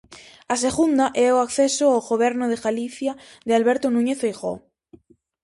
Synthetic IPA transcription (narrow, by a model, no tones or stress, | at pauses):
as̬e̞ɣund̪aʔɛoakθesoawɣoβ̞eɾnoð̞eɣaliθja | ðealβeɾt̪onũɲeθejɣo̰